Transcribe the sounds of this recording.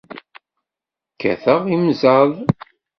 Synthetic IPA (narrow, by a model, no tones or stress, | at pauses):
kːæ̰θəʁimzaðˤ